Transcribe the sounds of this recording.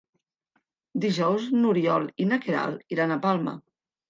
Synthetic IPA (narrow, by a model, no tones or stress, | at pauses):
d̪iʒɔwznuɾiɔlinakeɾa̰lˠiɾanapalˠmə̰